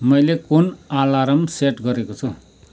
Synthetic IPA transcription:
mʌjlekunalaɾʌmseʈɡʌɾekot͡sʰu

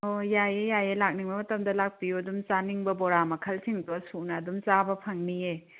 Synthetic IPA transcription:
ojajejajelak̚niŋbɐmɐtɐmdɐlak̚pijuɐdumt͡ʃaniŋbɐbɔɾamɐkʰɐlsʰiŋdɔsunɐːdumt͡ʃabɐpʰɐŋnie

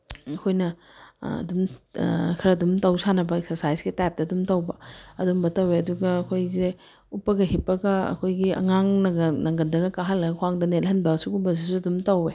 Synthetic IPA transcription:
ɐkʰojnɐ | ɐ̰dum | kʰɐɾɐdumtɐwsanɐbɐeksɐsajsɡitap̚tɐdumtɐwbɐɐdumbɐtɐweɐduɡɐːkʰojze | upːɐɡɐɦipːɐɡɐɐ̰kʰojɡiɐ̰ŋaŋnɐɡɐnɐŋɡɐndɐɡɐkaɦalːɐɡɐkʰwaŋdɐnelhɐnbɐsukumbɐs̬isuɐdumtɐwe

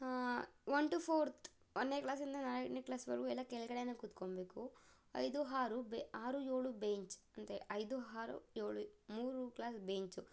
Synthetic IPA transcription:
ʋɐnʈupʰoːɾt̪ʰ | ɐnːeːklaːs̬ind̪ɐnɐɾɐʈniklaːsʋɐɾkuilaːkɛlkɐɽajnɐkut̪ːkombeku | ɐ̰jd̪uɦaːɾubeaːɾueːɭubeɲt͡ʃɐnt̪eʔɐjd̪uɦaːɾṵjeːɭumuːɾuklaːsbeɲt͡ʃu

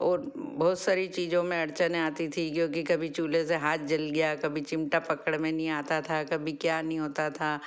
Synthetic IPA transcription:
ɔːɾbɔːt̪saːɾit͡ʃiːzõmẽɐɽt͡ʃənaːt̪it̪ʰikjõːk̬ikɐbʱit͡ʃuːleseɦaːt̪̚ʰd͡ʒɐlɡɐjakɐbʱit͡ʃɪ̃mʈapɐkəɽmẽnɐɦĩaːt̪at̪ʰakɐbʱikjaːnɐɦĩɦoːt̪at̪ʰaː

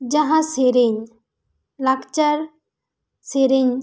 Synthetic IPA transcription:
d͡ʒaɦãseɾeɲ | lakt͡ʃaɾ | seɾeɲ

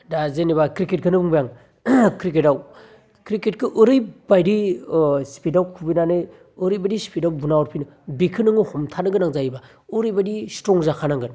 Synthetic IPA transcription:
dazeniβakɾiket̚ɡʰɯnɯbuŋbjaŋ | kɾiketaw | kɾiket̚kʰɯʔɯɾɯjbajdispidawkʰubinanɯj | ɯɾɯjbadispʰidawbunawɔɾpʰinɯ | bikʰɯnɯŋɯhɔmtʰanɯɡɯnaŋzajiba | ɯɾɯjbadistɾɔŋzakʰanaŋɡɯn

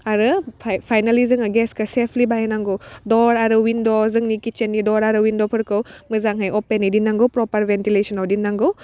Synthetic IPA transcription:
aɾɯpʰpʰajnalizɯŋaɡeskɯsepʰlibajenaŋɡɯwdɔɾaɾɯwindozɯŋnikit͡ʃenːidɔɾaɾɯwindopʰɯɾkɯwmɯzaŋɦajɔpenːidinːaŋɡɯwpɾɔpɐɾbentilesɔnawdinːaŋɡɯw

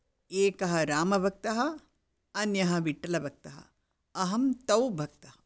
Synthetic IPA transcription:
eːkɐɦɐɾaːmɐbʱɐk̚t̪ɐɦɐ̆ | ɐnjɐɦɐ̆ʋiʈːɐlɐbʱɐk̚t̪ɐɦɐ̰ | ɐɦɐmt̪ɐwbʱɐk̚t̪ɐɦɐ

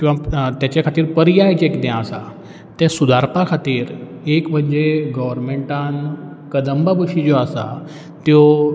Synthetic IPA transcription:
kĩʋ̤at̪jat͡ɕakʰat̪iːɾpəɾijajd͡ʑekd̪jãəsa | t̪ɛ̃sud̪ʱaɾpakʰat̪iːɾ | ekm̤əɲd͡ʑeɡəʋəɾmeɳʈan | kəd̪əmbabəɕid͡ʑoasa̰ | t̪jo

